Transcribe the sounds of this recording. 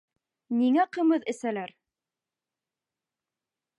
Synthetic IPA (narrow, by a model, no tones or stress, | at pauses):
niŋæqɤ̆mɤðɘ̆sælæɾ